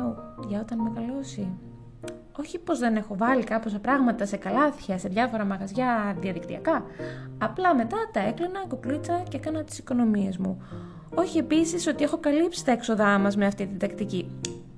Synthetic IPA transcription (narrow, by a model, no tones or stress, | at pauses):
oʝɐo̞t̪ɐnmeɣɐlo̞si | o̞çipo̞zðe̞ne̞xo̞vɐlikɐposɐpɾɐɣmɐt̪ɐse̞kɐlɐθçɐse̞ðʝɐfo̞ɾɐmɐɣɐzʝɐðiɐðikt̪iɐkɐː | plɐme̞t̪ɐt̪ɐe̞klinɐkoklit͡sɐceekɐnɐt̪i̥si̥ko̞no̞mie̞zmu | o̞çie̞pisiso̞t̪ie̞xo̞kɐlipsi̥t̪ɐekso̞ðɐmɐzmeɐft̪it̪id̪ɐkt̪ici